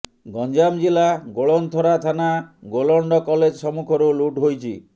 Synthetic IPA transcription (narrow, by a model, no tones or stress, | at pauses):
ɡɔnd͡ʒamd͡ʒilaɡoɭɔnt̪ʰɔɾat̪ʰanaɡolɔɳɖɔkɔled͡ʒsɔmukʰɔɾuluʈɦojt͡ʃʰi